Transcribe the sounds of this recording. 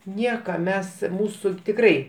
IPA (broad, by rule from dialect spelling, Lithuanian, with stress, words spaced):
ˈnʲiɛkɐ ˈmʲɛs ˈmuːsʊ tʲɪkˈrɐɪ